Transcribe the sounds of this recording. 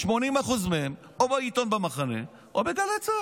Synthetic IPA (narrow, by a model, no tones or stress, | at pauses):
ʃmo̞nimaχuzmeɦem | obait̪o̞nbamaχanḛ | ʔobeɡalet͡sa